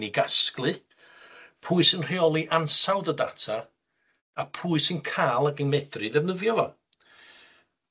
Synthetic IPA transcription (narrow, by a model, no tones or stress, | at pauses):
niɡasklˠɨ | pʰuːɨsɨnr̥eɔlˠiʔansawðəda̰tʰaː | pʰuːɨsɨnkʰaːlˠaɡənmɛdrɨðɛvnəvjɔvɔ